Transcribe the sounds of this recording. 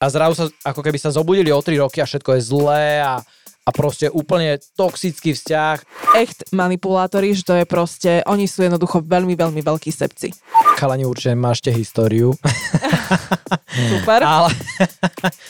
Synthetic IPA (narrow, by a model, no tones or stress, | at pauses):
azɾazusaakɔkɛbisazɔbuːɟiliɔt̪ɾiɾɔkiafʃɛt̪̚kɔjɛzlɛːa | apɾɔscɛʔuːpl̩ɲɛt̪ɔksit͡skiːfscaxɛxt̪manipulaːt̪ɔɾiʒɛt̪ɔjɛpɾɔscɛʔɔɲisuːjɛd̪nɔd̪uxɔʋɛlmiʋɛʎmiʋɛʎkiːsɛ̰p̚t͡sḭkalaɲiuɾt͡ʃiɛmaːʃcɛɦist̪ɔːɾiu | supɛɾalɛ